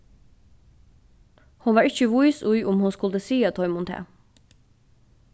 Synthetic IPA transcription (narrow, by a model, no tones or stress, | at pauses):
hʊnʋɑːɹɪçəʋʊʏsʊʏʔʊmhʊnskʊld̪əsiːɑt̪ʰɔʏmʊnt̪ʰḛː